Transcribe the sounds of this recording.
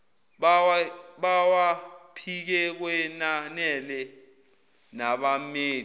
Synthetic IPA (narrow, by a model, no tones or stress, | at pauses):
ɓwɓawapʰik̬ɛk̬wɛnanɛlɛ | naɓameː